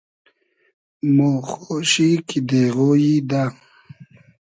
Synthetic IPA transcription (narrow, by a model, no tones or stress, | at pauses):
moːxoɕikid̪eɣojid̪a